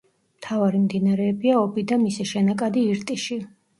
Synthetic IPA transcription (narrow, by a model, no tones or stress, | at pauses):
mt̪ʰavaɾimd̪inaɾɛːbiaɔbid̪amisɛʃɛnakʼad̪iːɾt̪ʼiʃi